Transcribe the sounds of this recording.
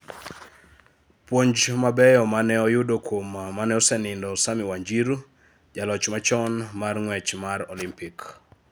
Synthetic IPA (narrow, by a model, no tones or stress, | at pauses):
pwoɲd͡ʒmabɛjɔmanɛɔjʊdokomamanɛɔsɛnɪndɔsamɪwaɲd͡ʒiɾ | d͡ʒalɔt͡ʃmat͡ʃɔnmarŋwɛt͡ʃmarɔlimpik